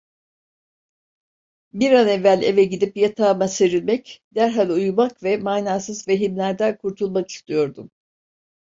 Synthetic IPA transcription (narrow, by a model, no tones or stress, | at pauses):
biɾanɛvːælʲe̞vɛɟid̪ipjat̪ʰaːmaseɾilʲmɛcd̪æɾɦalʲujumakvɛmaːnaːsɯzve̞ɦimlʲæɾd̪ɛkʰuɾt̪ʰulˠmaki̥st̪ʰɯjo̞ɾd̪um